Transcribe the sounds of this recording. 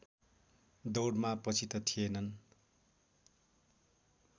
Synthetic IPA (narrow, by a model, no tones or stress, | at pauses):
d̪owɽmapʌt͡sʰit̪ʌt̪ʰijenʌn